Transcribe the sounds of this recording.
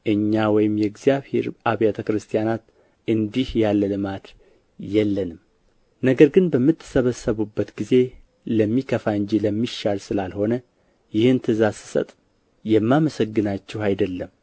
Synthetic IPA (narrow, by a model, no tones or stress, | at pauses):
ʔɨɲːawɔjɪmjɛɡzijaβhe̞̰ɾaβjat̪ʰəkɾɨst̪ʰijanat̪ | ʔɨnd̪ihjalːəlɨmat̪ | jɛlːənɨm | nəɡəɾɡɨnbəmːɨt̪ʰːɨ̥səβəsːəβubːət̪ɡize̞ | ləmːikʰəfaɨɲd͡ʒiləmːiʃːalsɨlalho̞nə | jɪhɨnt̪ʰɨzasɨ̥sə̰t̪ʼ | jɛmːaməsəɡːɨnat͡ʃːɛwajd̪əlːəm